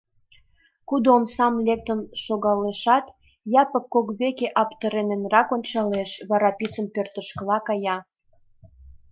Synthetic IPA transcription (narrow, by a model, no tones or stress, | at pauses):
kud̪oːmsɑmlek̚t̪ənʃoɣɑleʃɑt̪ | jɑpə̆kːokβekeʔɑpt̪ə̆ɾenenrɑkonʲt͡ɕɑleʃβɑɾɑpisəmpørt̪ə̆ʃkəlɑkɑjɑ